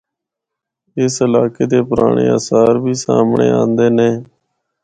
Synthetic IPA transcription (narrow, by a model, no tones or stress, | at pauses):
ɪsəlaːkeːd̪eːpʊɾaːɳḛːaːsaːɾbʱiːsaːmɳḛːãːnd̪eːneː